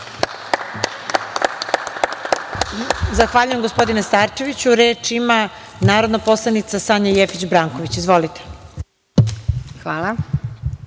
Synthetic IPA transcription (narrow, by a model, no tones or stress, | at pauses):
zaxʋaːʎujemɡo̞spo̞d̪inest̪aːɾt͡ʃe̞ʋit͡ɕuɾeːt͡ʃima | naːɾod̪napo̞slˠanit̪sasaɲajefit͡ɕbɾaːŋkoʋit͡ɕizʋo̞lit̪e̥ | xʋaːla